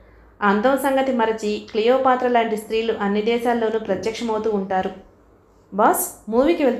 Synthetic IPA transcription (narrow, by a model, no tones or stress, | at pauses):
ɐnd̪ɐmɐsɐŋɡɐt̪imɐɾɐt͡ʃiklijoːpaːt̪ɾɐlaːɳʈist̪ɾiːluʔɐnːid̪ɛːʃaːlːo̞ːnuːpɾɐt̪jɐkʂɐmɐwt̪uːɳʈaːɾu | bɐsmuːʋikiʋe̞ɭt̪